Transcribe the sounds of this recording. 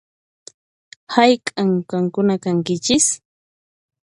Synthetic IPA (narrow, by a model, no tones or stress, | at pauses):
hajkʼaŋkaŋkʊnakaŋkɪt͡ʃɪs